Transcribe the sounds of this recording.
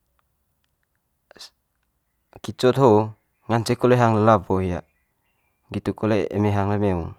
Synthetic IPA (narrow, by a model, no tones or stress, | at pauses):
kit͡ʃɔt̪ho | ŋant͡ʃekɔleɦaŋləlabɔhija̰ | ɡit̪ukɔleḛmeɦaŋlemeuŋ